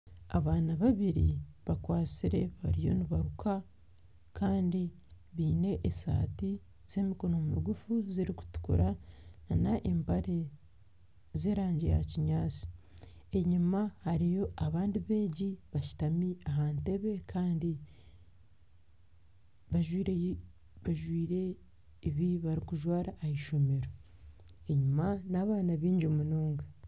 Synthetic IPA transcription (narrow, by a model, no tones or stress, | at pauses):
aβaːnaβaβiɾḭβakwaːt͡siɾe̞βa̰ɾijo̞̰niβaɾuka | kaːndi | βiːne̞ʔːsa̰ːti | z̥e̞ːmiko̞no̞mumḭɡufuziɾiku̥tu̥kṵɾananaʔembaɾe̞ | ze̞ːɾaːɲɟija̰ciɲaːt͡si̥ | e̞ɲumahaɾijo̞aβaːndiβe̞ːɟiβaʃu̥tamiaɦante̞βe̞kʰaːndi | βaʒwiɾ | βaʒwiːɾe̞ | iβiβaɾikuʒwaːɾaʔːhiʃo̞me̞ɾo | eɲumanaβaːnaβiːɲɟomunoːŋɡe